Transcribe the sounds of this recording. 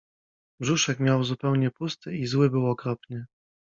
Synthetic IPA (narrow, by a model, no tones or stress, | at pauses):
bʐuʂɛkmʲjawzupɛwɲɛpust̪ʰɘizwɘbɘwɔkɾɔpnɘ